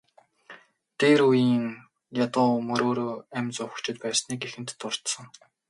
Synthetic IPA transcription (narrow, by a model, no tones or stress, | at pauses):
t̪eːɾujiːŋ | jat̪ʊːmɵɾoːɾoːæmt͡sʊ̆ːkt͡ɕʰɪ̆t̪pæːsniːkexɘ̆nt̪ːʊr̥t̪sə̆ŋ